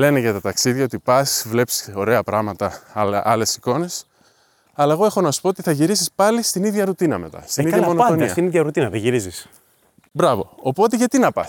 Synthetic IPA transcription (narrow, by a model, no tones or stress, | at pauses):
le̞neʝɐt̪ɐt̪ɐksiðʝɐo̞t̪ipɐsvle̞psi̥o̞ɾe̞ɐpɾɐɣmɐt̪ɐɐle̞si̥ko̞ne̞s | ɐlɐeɣo̞e̞xo̞nɐsu̥poot̪iθɐʝiɾisispɐlist̪iniðʝɐɾut̪inɐme̞̰t̪ɐ̰st̪iniðɐmo̞noonisɐt̪iniðʝɐɾut̪inɐðeʝiɾizis | bɾɐvo̞̰opo̞t̪e̞ʝɐt̪inɐpɐ̰s